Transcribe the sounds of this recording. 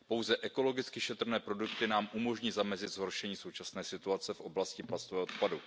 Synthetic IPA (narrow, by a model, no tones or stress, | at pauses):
po̞wzɛʔɛko̞lo̞ɡɪt͡skɪʃɛt̪r̩nɛːpɾo̞dukt̪ɪnaːmʔumo̞ʒɲiːzamɛzɪt̪z̥ɦo̞ɾʃɛɲiːso̞wt͡ʃasnɛːsɪt̪uat͡sɛfʔo̞blascɪplast̪ovɛːɦʔt̪padu